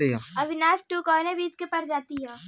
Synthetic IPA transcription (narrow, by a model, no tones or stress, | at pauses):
iɦɛɐbʱɪnaːsʈuːkɔːnẽbiːd͡ʒkepɐɾd͡ʒaːt̪iɦɛ̃ː